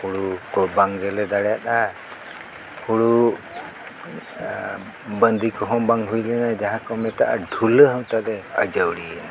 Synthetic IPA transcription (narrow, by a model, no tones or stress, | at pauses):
huɽukɔbaŋɡɛlɛd̪aɽjat̪a | huɽu | bənd̪ikɔɦɔmbaŋɦujlɛnad͡ʒaɦãkɔmɛt̪aʔa̰ɖʱuləɦaw̃t̪ad̪ɛəd͡ʒawɽiɛna